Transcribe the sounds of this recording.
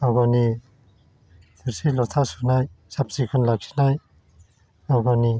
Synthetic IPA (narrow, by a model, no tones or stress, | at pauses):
ɔɡɔni | t̪ʰiɾsilɔt̪ʰasunaj | sap̚sikʰɔnlak̚sʰi̥naj | ɔɡɔni